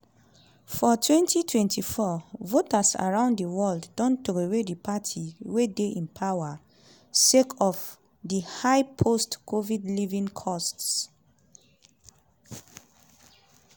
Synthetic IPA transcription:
fɔtʰwɛ̃ntʰitʰwɛ̃ntʰifɔvotasa̰ɹãʊ̃nddiwɔlddɔ̃ntokewedipʰatʰiwedeʔĩnpʰawa | sekʰɔf | dihaɪpʰostkʰovidlivĩŋkʰɔsts

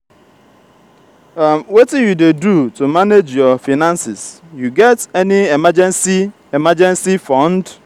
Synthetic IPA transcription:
amwetijudedutumaned͡ʒjɔfinãnsɪs | juɡɛtɛniɛmad͡ʒɛ̃nsi | emad͡ʒɛ̃nsifɔ̃nd

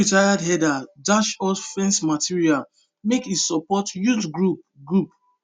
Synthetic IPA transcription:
itajadɦɛdadaʃɔfɛ̃nsmatʰiɹial | mekitsɔpɔtjudɡɹup̚ | ɡɹup̚

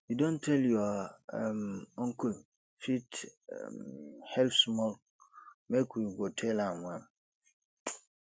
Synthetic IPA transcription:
jidõntʰɛljuamɔ̃ŋkʰũn | fit | hɛlfsmɔl | mekuɡɔtʰɛlãmʊ̃ãm

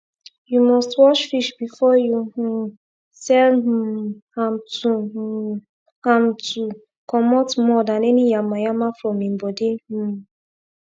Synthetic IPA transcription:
jumɔstwɔʃfiʃbifɔjũ | sɛl̩ãmtʰu | ãmtʰu | kʰɔmɔtmɔdãnɛnijamajamafɹɔ̃mĩmbɔdih̩

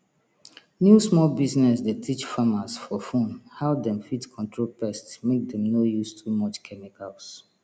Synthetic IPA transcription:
njusmɔlbiznɛsdetʰit͡ʃfamasfɔfõnhaʊdɛ̃mfitkʰɔ̃ntʰɹolpɛstsmek̚dɛ̃mnojustʰumɔt͡ʃkʰɛmikals

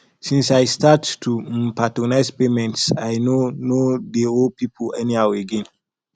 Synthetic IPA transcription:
sĩnsajstattʰumpatənajzpemɛ̃ntsajnonodeopʰipʰəlɛniaweɡɛ̃n

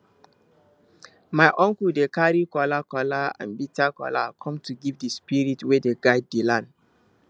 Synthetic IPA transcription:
maɪʔɔ̃ŋkudekaɹikɔlakɔlaã̰nbitakɔ̰la̰kʰɔ̃mtʰuɡivdespiɹitwedeɡaɪddilãn

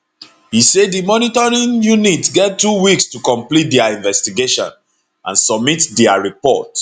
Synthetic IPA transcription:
hisedimɔnitɔɹĩnjunitɡɛtːuwikstukɔ̃mplit̚dɛaĩnvɛstiɡeʃɔ̰̃n | ʔã̰nsɔb̚mitdɛaɹipɔ̰t

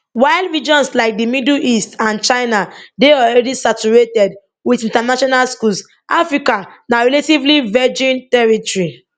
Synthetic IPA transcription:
waɪlˠdɹid͡ʒɔ̃nslaɪk̚dimidl̩ʔistãnt͡ʃaɪnadeɔlɹɛdisat͡ʃuɹetɛd | widĩntanaʃɔnalskuls | ʔafɹikanaɹɛletivlivɛd͡ʒĩntɛɹitɔɹi

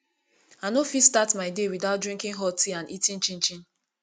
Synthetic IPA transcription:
anofidstatmaɪdewidaʊt̚dɹĩŋkĩŋɦɔtiãnitĩnt͡ʃĩnt͡ʃĩn

